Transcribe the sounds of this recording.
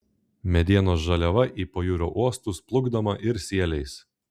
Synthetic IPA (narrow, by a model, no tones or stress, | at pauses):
mʲɛd̪ʲiɛnoːs̬ʒɐlʲɛʋɐʔiːpoːjuːɾʲoːʔuɔst̪uˑsplˠʊɡd̪ɐmɐʔɪɾsʲiɛlʲɛɪs